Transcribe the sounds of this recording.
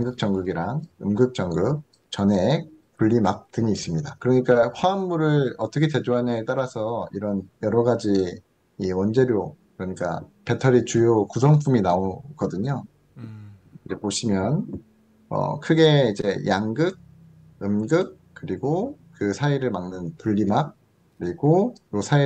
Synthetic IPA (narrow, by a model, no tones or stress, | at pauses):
jaŋɡɯk̚t͡ɕ͈ʌŋɡɯɡiɾaŋɯmɡɯk̚t͡ɕ͈ʌŋɡɯk̚ | t͡ɕʌne̞kuʎːimak̚tɯŋiːs͈ɯmɲidakɯɾʌɲik͈aɸwammuɾɯɭʌt͈ʌkʰet͡ɕe̞d͡ʑoɦanet͈aɾasʰʌiɾʌnjʌɾʌɡad͡ʑi | iwʌnd͡ʑe̞ɾjokɯɾʌɲik͈a̰pe̞tʰʌɾit͡ɕujokusʰʌŋpʰuminaoɡ̥ʌdɯɲo | id͡ʑe̞poɕʰimjʌn | ʌ̰kʰɯɡe̞id͡ʑe̞jaŋɡɯɡ̚ | ɯmɡɯk̚ | kɯɾiɡokɯsʰaiɾɯɭmaŋnɯnpuʎːimak̚ | kːɯɾiɡoosʰai